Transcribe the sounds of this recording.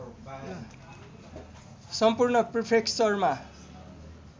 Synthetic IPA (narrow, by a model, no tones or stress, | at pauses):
sʌmpurnʌpripʰeksʌrma